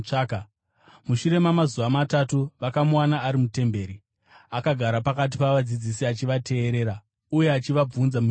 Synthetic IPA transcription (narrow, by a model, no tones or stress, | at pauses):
ak | muʃuɾe̞mamazuʋamatatuʋakamuwanaːɾimute̞mbe̞ːɾi | akaɡʱaɾapakat̬i̥paʋad͡zid͡zisiat͡ʃiʋatʰe̞ːɾe̞ːɾa | uje̞at͡ʃiʋab͡vunzamu